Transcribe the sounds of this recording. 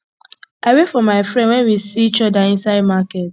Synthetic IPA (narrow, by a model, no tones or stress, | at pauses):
aɪwefɔmaɪfɾɛ̃ndwɛnwisiit͡ʃɔdaɪ̃nsaɪd̚maket̚